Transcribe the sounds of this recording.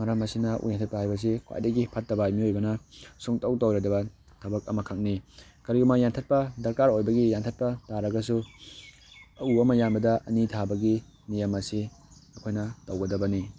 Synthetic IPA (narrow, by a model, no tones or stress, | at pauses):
mɐɾɐmɐsinɐʔṵjantʰɐt̚pɐhajbɐs̬ikʰwa̰jdɐɡipʰɐt̚ːɐbajmiojbɐnɐsuŋtɐwtowɾɐdɐbɐ | tʰɐbɐk̚ɐmɐkʰak̚nikɐɾiɡumajantʰɐt̚pɐdɐɾkaɾojbɐɡijantʰɐt̚pɐtaɾɐɡɐsu | ɐuɐmɐjanbɐdɐʔɐ̰nitʰabɐɡi | nijɐmɐsiɐkʰojnɐtɐwɡɐdɐbɐni